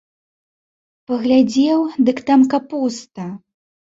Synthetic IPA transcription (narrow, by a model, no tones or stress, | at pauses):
pɐɣlʲad͡zʲɛwd̪ɨkt̪amkapust̪ɐ